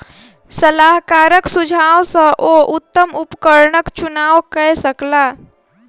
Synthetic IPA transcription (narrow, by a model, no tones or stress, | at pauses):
səlaɦkaɾəksud͡ʒʱaʋsə̃ʔoʔut̪ːəmupkəɾnəkt͡ʃunawkəsəkla